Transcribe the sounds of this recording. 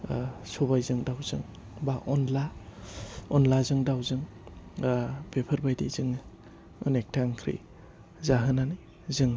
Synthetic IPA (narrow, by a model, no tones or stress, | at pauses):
sɔbajzɯŋdawzɯŋ | baʔɔnla | ɔnlazɯŋdawzɯŋ | b̥epʰɯɾbajdḭzɯŋ | ɯ̰nek̚tʰaŋkʰɾḭ | zaɦɯnani | zɯŋ